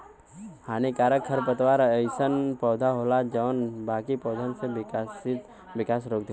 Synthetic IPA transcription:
haːnikaːɾəkʰːəɾpət̪ʋaːɾəɪsənpɔːd̪ʱaɦoːlad͡ʒənbaːkipɔːd̪ʱənsesɪt̪ | ʋɪkaːsɾoːk̚d̪i

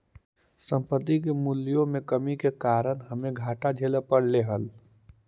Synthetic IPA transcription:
sə̃mpət̪ik̬emuljõmẽkəmikekaːɾənɦəmẽɡʱaːʈad͡ʒʱeːləpəɽleɦəl

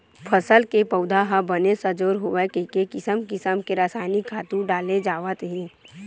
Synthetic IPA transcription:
pʰəsəlkepəʊd̪ʱaɦabənesəd͡ʒoːɾɦoʋekekekɪsəmkɪsəmkeɾaːsaːɪnikʰːaːt̪ũɖaːled͡ʒaːʋət̪ɦĩː

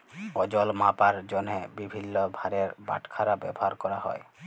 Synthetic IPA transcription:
ɔd͡ʒɔlmapaɾd͡ʒɔnebibʱinːɔbʱaɾeɾba̰ʈʰkʰaɾabɛ̰bɔɦaɾkɔɾaɦɔ̰e

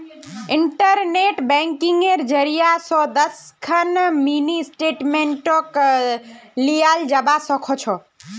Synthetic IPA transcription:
iɳʈəɾneʈbɛ̃ŋkiŋɡeɾd͡ʒəɾijasɔ̃d̪əskʰənminisʈeʈmeɳʈɔk | lijald͡ʒəbasɔkʰɔt͡ʃʰɔ

